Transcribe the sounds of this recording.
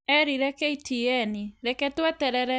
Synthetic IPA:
ɛɾiɾɛkɛitiɛniɾɛkɛtwɛtɛɾɛɾɛ

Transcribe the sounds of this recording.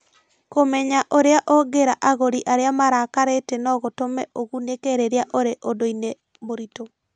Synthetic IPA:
komɛɲaʔoɾeaʔɔɡeɾaʔaɣoɾiʔaɾeamaɾakaɾetɛnɔɣotomɛoɣunekeɾeɾeaʔoɾeʔodoine | moɾito

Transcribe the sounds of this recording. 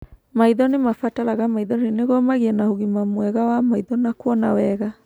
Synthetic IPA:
maiðɔnemafataɾaɣamaiðɔnineɣɔmaɣiɛnahoɣimamwɛɣawamaiðɔnakwɔnawɛɣa

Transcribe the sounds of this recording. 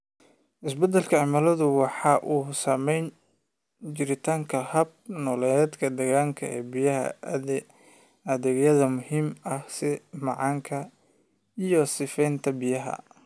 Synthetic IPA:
ʔɪsbɐd̪ɐlkʰɐʕɪmaːlɐðʊwɑħɑːʔuːsɐmɛjn | t͡ʃɪɾɪt̪ʰaːŋkʰɐhɐb̚nɔːlɛd̪kʰɐd̪ɐɣaːŋkʰɐɛ̰ːbɪjɐɦɐ̰ | ɐðɛɡjɐðɐmʊhiːmɐhsɪmɑʕɑːŋkʰɐ | ijɔsɪfɛjnt̪ʰɐbɪjɐɦɐ̰

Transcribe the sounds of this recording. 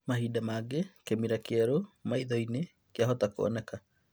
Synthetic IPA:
maɦiːdamaːɡekemiɾakeaɾomaiðɔine | keaɦɔtako̰ɔ̰nɛka

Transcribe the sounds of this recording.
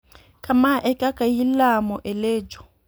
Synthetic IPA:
kʼamaʔɛkʼakʼajilamɔʔɪleːd͡ʒɔ̥

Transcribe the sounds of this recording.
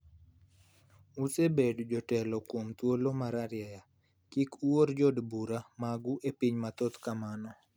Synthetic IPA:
usebedd͡ʒɔtɛlɔkwomt̪wolomaɾaɾjaja | kikuword͡ʒɔdbuɾamaɡuʔepiɲmat̪ot̪kamanɔ

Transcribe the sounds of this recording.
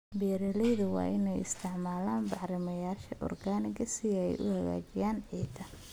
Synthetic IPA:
bɛːɾɛlɛðɐwɑ̰ːʔɪnɛjɪ̰st̪ʰɪʕmaːlaːnbɑħɾɪmɐjaːʃɐʔɔ̰rɡaːnɪɣɐsɪɛ̰jʔʊ̰hɐɣa̰ːt͡ʃɪjaːnʕiːd̪ɐ

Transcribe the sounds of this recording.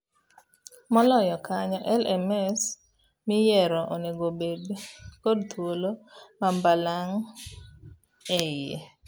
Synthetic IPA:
mɔlɔjɔkaɲɔʔɛlɛmɛs | mɪjɛɾɔʔoneɡobedkodt̪ʰwolomambalaŋ | ɛjḛ

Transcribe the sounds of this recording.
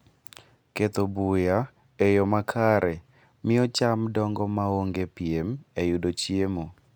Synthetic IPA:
ket̪obuja | ejɔmakʰaɾɛ | mɪɔt͡ʃamdɔŋɡɔmaoŋɡepiemejʊdot͡ʃjemo

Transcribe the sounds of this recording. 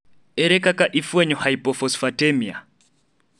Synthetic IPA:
ɛɾɛkakaʔifwɛɲɔhaipɔfɔsfatɛmia̰

